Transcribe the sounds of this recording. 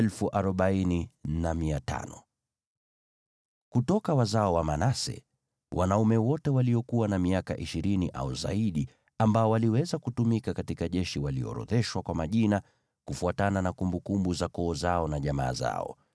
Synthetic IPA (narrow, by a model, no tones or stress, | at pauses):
ɛlfuʔaɾɔɓaininamiata̰nɔ | kutɔkawazaɔwamanasɛ̰ | wʔanaumɛwɔtɛwaliɔkuwanamiakaʔiʃiɾiniʔa̰uza̰iɗi | ambaɔwaliwɛzakutumikakatikaʄɛʃiwaliɔ̰ɾɔ̰ðɛʃwakwamaʄina | kufuatananakumbukumbuzakɔːzaɔnaʄama̰ːza̰ɔ̰